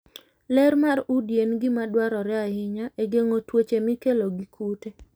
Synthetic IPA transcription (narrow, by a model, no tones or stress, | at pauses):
lɛɾmaɾudjenɡɪmadwaɾɔɾɛahɪɲaʔeɡeŋotwet͡ʃemɪkeloɡikʰute